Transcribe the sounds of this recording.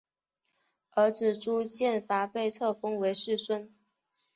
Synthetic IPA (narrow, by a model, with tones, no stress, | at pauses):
ə˞˧˥ʈ͡ʂɻ̩˨˩ʈ͡ʂu˥t͡ɕjɛ˥˩nfa˧˥pe˥˧ɪt͡sʰɤ˥˩fɤ˥ŋwe˧˥ɪʂɻ̩˥˩swə˥˩n